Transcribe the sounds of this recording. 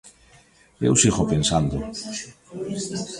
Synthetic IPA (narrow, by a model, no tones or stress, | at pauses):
ewsiɣopensand̪o